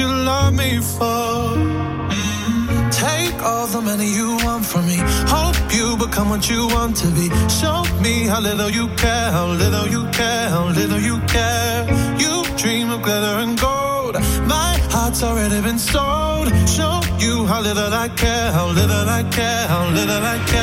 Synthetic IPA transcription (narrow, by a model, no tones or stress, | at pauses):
jɨlʌvmifɔ | tʰeɪkʰɔlˠðəmɛñijɨwɑ̃ntfʌmihɛlˠpʰjɨbəkʰʌ̃mwʌt͡ʃɨwɑ̃ntʰɨbiʃomihaʊlɪɾl̩ˠjɨkʰɛ | ɦaʊlɪɾl̩ˠjɨkʰɛ | ɦaʊlɪɾl̩ˠjɨkʰɛ | jɨ | dɹĩmʌvɡlɛɾə˞ɨ̃nɡoʊld̥maɪhɑtsˠɹɛɾibɨ̃nstoʊ | d̚ʃoʊpjɨɦaʊlɪɾl̩ˠaɪkʰɛ | ɦaʊlɪɾl̩ˠaɪkʰɛ | haʊlɪɾl̩ˠaɪkʰɛ